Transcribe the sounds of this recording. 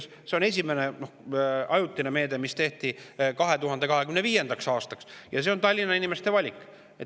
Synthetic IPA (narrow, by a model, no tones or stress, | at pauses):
s | seo̞ne̞s̬ʲime̞neno̞hɑjut̪ːˑineme̞ːd̪emist̪e̞ht̪ikɑɦe̞t̪uɦɑnd̪̥e̞kɑɦe̞kymneviːje̞nd̪̥ɑksɑːst̪ɑksjɑs̬e̞o̞nt̪ɑlʲːinːɑinime̞st̪e̞vɑlʲikːˑ | et̪